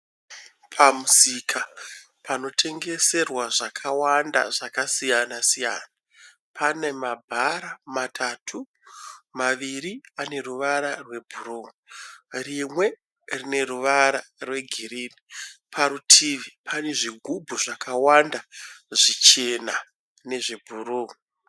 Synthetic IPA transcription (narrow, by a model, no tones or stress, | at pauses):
pʰamusikʰa | pʰano̞tʰe̞ŋɡe̞se̞rwaʐakʰawanda̰ʐakasijanasija̰na | pʰane̞mabʱaɾamatʰatʰu | maʋiɾiane̞ruʋaɾarwe̞bʱuruːmurimwe̞ | rine̞ruʋaɾarwe̞ɡʱiriːnipʰaɾutʰiʋipʰane̞ʐiɡʱubʱuʐakawandaʐit͡ʃe̞na | ne̞ʐibʱuruːmu